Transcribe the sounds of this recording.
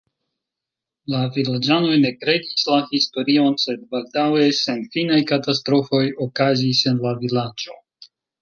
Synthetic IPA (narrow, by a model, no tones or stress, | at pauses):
lavilad͡ʒano̞jne̞kɾe̞dislahisto̞ɾio̞nse̞d̚baldawe̞se̞nfinajkatastɾo̞fo̞jo̞kazise̞nlavilad͡ʒo̞